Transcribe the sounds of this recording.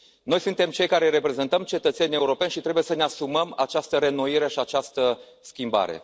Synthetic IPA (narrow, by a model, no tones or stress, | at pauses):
no̞jsunt̪e̞mt͡ʃe̞jkaɾe̞ɾe̞pɾe̞ze̞nt̪əmt͡ʃe̞t̪ət̪se̞nʲe̞uɾo̞pe̞nʲʃit̪ɾe̞buje̞səneasuməmat͡ʃast̪əɾe̞noiɾe̞ʃiat͡ʃast̪ə | skʲimba̰ɾe̞̰